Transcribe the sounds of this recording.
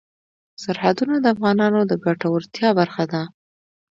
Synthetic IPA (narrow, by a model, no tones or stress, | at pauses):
saɾhad̪unad̪əafɣɑnɑnod̪əbaʈawəɾt̪jɑbaɾxad̪a